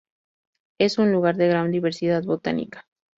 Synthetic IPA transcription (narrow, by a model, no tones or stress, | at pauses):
e̞sunluɣaɾðe̞ɣɾand̪iβe̞ɾsiðaðβo̞t̪a̰nḭkḁ